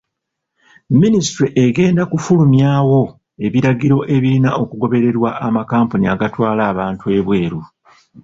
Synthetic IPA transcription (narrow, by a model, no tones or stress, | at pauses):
ministɾiʔeɡe̞ːndakufulumjaːwo̞ | e̞βiɾaɡiɾo̞ʔe̞βiɾinaʔo̞kuɡo̞βe̞ɾe̞ɾwaʔːmakaːmpuniaɡatwaːlaːβaːntue̞βwe̞ːɾu